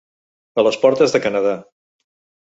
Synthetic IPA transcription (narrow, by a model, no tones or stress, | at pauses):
ələspɔɾt̪əzðəkənəða